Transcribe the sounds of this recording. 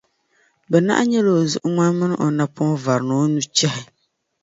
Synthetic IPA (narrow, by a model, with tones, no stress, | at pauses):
bɛ˨na̰˦ʔɲɛ˦lo˨zʊ̰˦ʔʊ˦ŋa˦nmɨ˦nɨ˦ʔo˨na˦pʊ˦va˨ɾno˦nu˦t͡ʃɛ˦hɪ˨